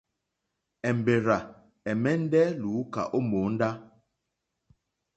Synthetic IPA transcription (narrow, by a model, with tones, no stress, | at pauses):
ɛ˨m̩˨be˨ɾa˨ | ɛ˨mɛ˦n̩˦dɛ˦luː˨˦ka̰˨ʔo˦moː˨˦n̩˦da˦